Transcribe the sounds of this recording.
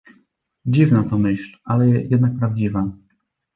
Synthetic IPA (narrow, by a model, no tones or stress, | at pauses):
d͡ʑivnat̪ɔmɘɕlʔalɛjɛd̪nak̚pɾavd͡ʑiva